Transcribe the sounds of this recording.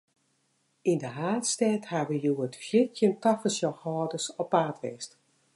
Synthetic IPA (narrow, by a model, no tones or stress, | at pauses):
indəɦaːtstɛːthaʋəjuəətfjɪtjəntafəsjɔxhɔːdəsɔpːaːtʋɛst